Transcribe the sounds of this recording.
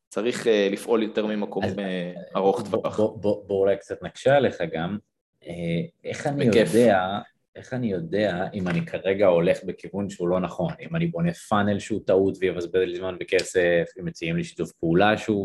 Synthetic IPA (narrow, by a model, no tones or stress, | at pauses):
t͡saʁiχelifʔo̞ljot̪eʁmimakomeaʁoχt̪vaoboboulajkt͡sat̪naɡ̥ʃaele̞χaɡam | eeχanijod̪ea | e̞χanijo̞de̞aʔimanikʰaʁe̞ɡao̞le̞χbekivunʃeulo̞naχo̞nimanibo̞nefanelʃut̪aut̪vejevazbedlizmanbekesefmet͡sijemliʃi̥tufpeulaʃu